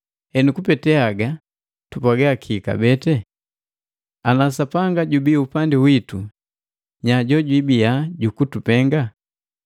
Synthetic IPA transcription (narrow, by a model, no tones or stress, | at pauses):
ɛnukupɛtɛaɡa | tupaɡakʰiːka̰bɛtɛ | anasapaŋɡaɟubiupandiwitu | ɲaɟɔɟwibijaɟukutupɛŋɡa